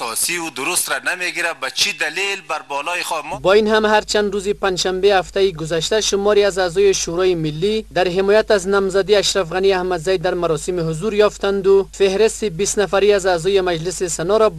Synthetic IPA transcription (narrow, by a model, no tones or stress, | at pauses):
ɔsiud̪ʊɾust̪ɾanameɡiɾabat͡ʃʰid̪alilbaɾbɔːlɔjexɔmbɔinɦamɦaɾt͡ʃand̪ɾuzipanʃambehaft̪aiɡʊzaʃt̪aʃʊmɒɾiazazɔjeʃuɾɔjemilːid̪aɾɦɪmɔːjat̪aznamzad̪iaʃɾafɣaniahmad̪zajd̪aɾmaɾɔsimiɦʊzuɾjɔft̪and̪ufehɾest̪ibist̪nafaɾiazaːzɔjemad͡ʒlɪsisanɔɾɔ